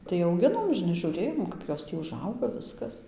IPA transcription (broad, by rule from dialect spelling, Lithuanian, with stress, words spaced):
tɐɪ ɐʊˈɡʲɪnoːm ʒʲɪˈnɐɪ ʒuːˈrʲeːjoːm ˈkɐp joːs ˈtʲiː ʊˈʒɐʊɡɐ ˈʋʲɪskɐs